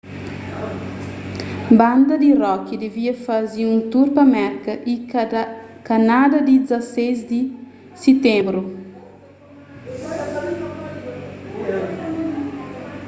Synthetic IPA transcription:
bãnd̪ɐd̪irɔkid̪eviɐfaziũnt̪uɾpamɛɾkɐʔi | kanad̪ɐd̪id̪izasejzd̪i | set̪ẽmbɾu

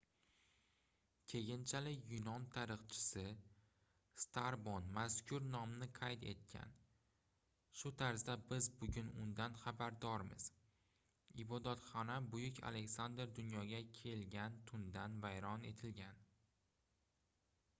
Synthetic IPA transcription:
kʲʰe̞ɡʲɪnt͡ʃʰalɪkʲjʊnɒnt̪ʰaɾɨχt͡ʃʰɪ̥sɪ | st̪ʰaɾbonmaskʰʲʊɾnɒmnɪqʰajt̪e̞̰t̪̚kʲʰa̰n | ʃʊt̪ʰaɾzd̪abɪzbʊɡʲʊnʊ̰nd̪anχabaɾd̪ɒɾmɪ̰z̥ | ɪbɒd̪at̪χɒnabʊjɪkʲʰa̰le̞kʲsand̪ɾd̪ʊnjɒɡʲakʲʰe̞lɡʲant̪ʰʊnd̪anvajɾɒne̞t̪ʰɪlɡʲan

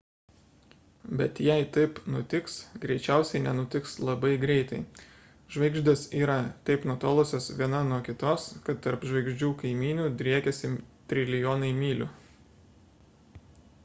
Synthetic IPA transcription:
bʲɛt̪jɛɪt̪ɐɪpnʊt̪ʲɪksɡɾʲɛɪt͡ʃʲæˑʊsʲɛɪnʲɛnʊt̪ʲɪkslˠɐbɐɪɡɾʲɛɪt̪ɐɪ | ʒʋɐɪɡʒd̪ɐsiːɾɐt̪ɐɪpnut̪oːlˠosʲoːsʋʲiɛnɐnuɔkʲɪt̪oːskɐt̪ːɐɾpʒʋɐɪɡʒʲd͡ʒʲuːkɐɪmʲiːnʲuːd̪ʲɾʲiɛkʲɛsʲɪt̪ʲɾʲɪlʲɪjoːnɐɪmʲiːlʲʊ̰

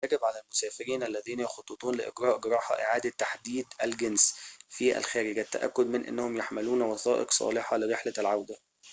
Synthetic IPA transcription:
æɡɪbʕalælmʊsæːfɪɾiːnʔælːæðiːnæjɑxɑt̪ˤːot̪ˤuːnlɪʔɪ̰ɡɾɑːʔɡɾˤɑːħɑ̰ʔɪʕaːd̪æt̪ːaħd̪iːd̪ælɡensfiʔæ̰lxæːɾɪɡæt̪ːæ̰ʔæ̰kːʊd̪mɪnʔɪ̰nːæhʊmjaħmɪluːnwɑθɑːʔḛqsˤɑ̰ːlɪħɑlɪɾeħlælʕawd̪æ

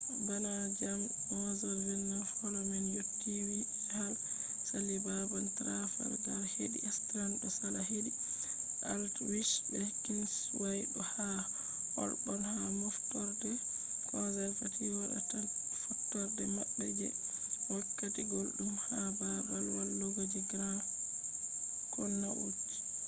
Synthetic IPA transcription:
banad͡ʒam | ʔɔzald͡ʒɛnːanfɔlɔmɛnjotːiwi | hal | salibabaltɾafa̰lɡaɾheɗḭʔɛstɾanɗɔsalahedi | ʔaltwiʃbɛkins | wajɗɔha | hɔ̰ɾbɔnhamɔftɔɾdɛ | kɔzɛɾfatiwaɗa̰tal | fɔtːɔɾdɛmaɓːɛd͡ʒɛ | wakːatiɡolɗumhababalwalːɔɡod͡ʒiɡɾan | kɔnːaʔṵd͡ʒi̥

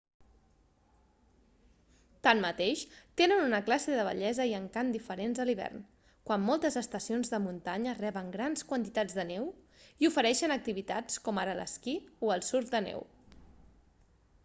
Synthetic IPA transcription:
t̪anmːət̪eʃt̪enənunəklaseðəβ̞ə̰ʎɛzəiəŋkand̪ifəɾenzəliβ̞ɛ̰rn | kwamːɔlˠt̪əzəst̪əsionzðəmunt̪aɲərɛβəŋɡɾanskwənt̪it̪ad͡zðənew | iufəɾɛʃənək̚t̪iβit̪a̰t͡skɔmaɾələ̰skioəlˠsuɾkd̪ənɛ̰w

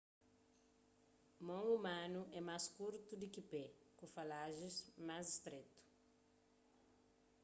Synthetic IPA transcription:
mɐ̃w̃umãnuʔɛmaskuɾt̪ud̪ukɪpɛ | kũfalaʒɪzmazist̪ɾet̪u̥

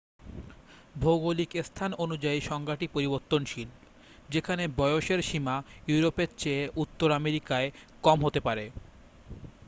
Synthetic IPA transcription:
bʱoɡolikest̪ʰanonud͡ʑaiʃɔŋɡaʈipoɾiboɾt̪ːonʃil | d͡ʑekʰanebɔeoʃeɾʃimajuɾopeɾt͡ɕeeʔut̪ːoɾameɾikaekɔmɦot̪epaɾe

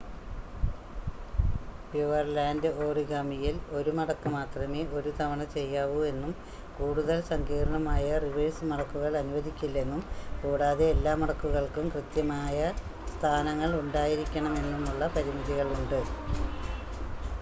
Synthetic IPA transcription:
pjuʋɐrlaːndɨʔo̞ːriɣaːmijilo̞ɾumɐɽɐkːɨmaːt̪rɐme̞ːʔo̞ɾut̪ɐʋɐɳɐt͡ɕe̞jːaːʋue̞nːum | kuːɽuðɐlsɐŋɡiːɾɐɳɐmaːjɐriʋeɻsmɐɽɐkːuɣɐɭɐnuʋɐðikʲːilːe̞nːumkuːɽaːðeelːaːmɐɽɐkːuɣɐɭkumkrɨt̪jɐmaːjɐ | st̪ʰaːnɐŋːɐɭuɳɖaːjiɾikʲːɐɳɐme̞nːumuɭːɐpɐɾimiðiɣɐɭuɳɖɨ

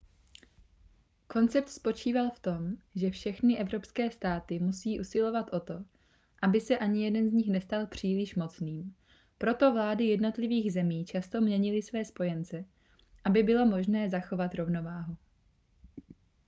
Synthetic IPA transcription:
ko̞nt͡sɛp̚t̪spo̞t͡ʃiːvalft̪o̞mʒɛfʃɛxnɪʔɛvɾo̞pskɛːst̪aːt̪ɪmusiːʔusɪlo̞vat̪ʔo̞t̪o̞ | ʔabɪsɛʔaɲɪjɛdɛnzɲɪxnɛst̪alpr̝̥iːlɪʃmo̞t͡sniːm | pɾo̞t̪o̞vlaːdɪjɛdno̞t̪lɪviːɣzɛmiːt͡ʃast̪o̞mɲɛɲɪlɪsvɛːspo̞jɛnt͡sɛ | ʔabɪbɪlo̞mo̞ʒnɛːzaxo̞vat̪ɾo̞vno̞vaːɦu

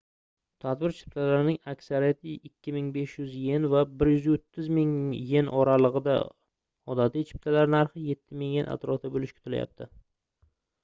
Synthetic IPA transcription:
t̪ʰad̪bɪɾt͡ʃʰɪ̥p̚t̪ʰalaɾɪnɪŋakʲsaɾijat̪ʰɪɪkʲʰːɪmɪŋbe̞ʃjʏzje̞nvabɪɾjʏzot̪ʰːɪzmɪŋje̞nʔɒɾalˠɨʁɨd̪a̰ | ɒd̪at̪ʰit͡ʃʰɪ̥p̚t̪ʰalaɾnaɾχɪje̞t̪ʰːɪmɪŋjenʔa̰t̪ɾɒft̪abolɪʃkʲʰʊ̥t̪ʰɪla̰ja̰p̚t̪ʰɪ

